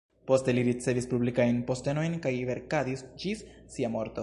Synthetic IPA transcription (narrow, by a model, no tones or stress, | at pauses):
po̞ste̞liɾit͡se̞vispublikajnpo̞ste̞no̞jnkajve̞ɾkadisd͡ʒisːiamo̞ɾt̪o̞